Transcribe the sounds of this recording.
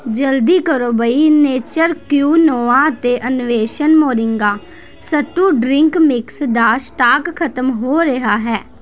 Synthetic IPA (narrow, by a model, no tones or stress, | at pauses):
d͡ʒəld̪iːkəɾoːbəiːneːt͡ʃəɾkjuːnoːaːət̪eːʔənʊʋeːʃənmoːɾɪŋɡaː | sət̪uːɖɾɪŋkmɪksd̪aːsʈaːkkʰət̪əmɦoːɾəɦaːɦɛː